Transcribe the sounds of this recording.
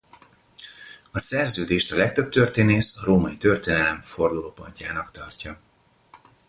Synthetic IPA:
ɒsɛrzøːd̪eːʃt̪ɒlɛk̚t̪øp̚t̪ørt̪eːneːsɒɾoːmɒjit̪ø̞rt̪eːnɛlɛɱfo̞rd̪uloːpo̰ɲcaːnɒkt̪ɒrcɒ

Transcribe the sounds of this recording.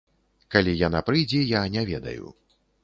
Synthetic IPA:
kalʲijanapɾɨjd͡zʲɛjanʲɛvʲɛd̪ɐ̰jṵ

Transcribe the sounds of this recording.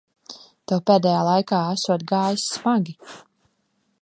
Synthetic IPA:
t̪ɛwpeːd̪ɛjaːlˠajkaːæsuɔt̪ɡaːjismaɡʲi

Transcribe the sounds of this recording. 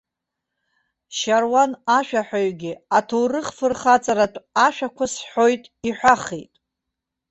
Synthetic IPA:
ʃarwanaʃᶣaħᶣaɥɡʲiatʰowrɨχfɨrχat͡sʼaɾatʷʼaʃᶣakʷʰasħojtʼiħʷᶣaχḛjtʼ

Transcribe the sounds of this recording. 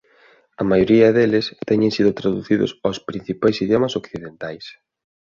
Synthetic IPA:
ɐmajoɾiɐðelɪst̪ɛɲẽŋsiðʊt̪ɾaðuθiðʊ̰sawspɾin̟θipajsiðjomɐsokθiðent̪ajs

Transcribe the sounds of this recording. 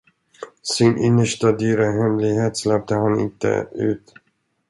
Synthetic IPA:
sɪnʔɪnːəʂʈad̪yːɾaɦɛmlɪɡheːt̪slɛp̚d̪əhanɪ̰nt̪ə̰ʉ̟̰ːt̪

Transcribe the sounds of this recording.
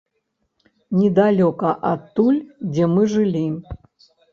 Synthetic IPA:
nʲɛd̪alʲɔkɐʔɐt̪ːulʲd͡zʲɛmɨʐɨlʲi

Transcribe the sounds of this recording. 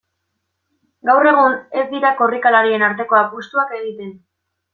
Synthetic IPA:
ɡawre̞ɣ̞une̞zd̪iɾako̞rikalaɾie̞naɾt̪e̞ko̞apust̪uake̞ɣit̪e̞n

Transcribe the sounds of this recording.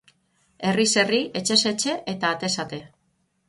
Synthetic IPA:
e̞rise̞rie̞t͡ʃe̞se̞t͡ʃe̞ʔet̪aːt̪e̞sat̪e̞

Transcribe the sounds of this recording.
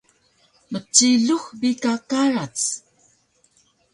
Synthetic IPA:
mət͡ɕiɮuxbikakaɾat͡s

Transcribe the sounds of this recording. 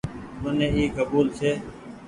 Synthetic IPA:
mənẽːiːkəbuːlsʰeː

